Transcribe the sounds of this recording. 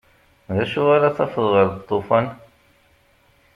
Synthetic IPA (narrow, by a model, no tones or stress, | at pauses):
ðæʃuaɾaθɑfəðˤʁəɾðt̪ˤːofɑn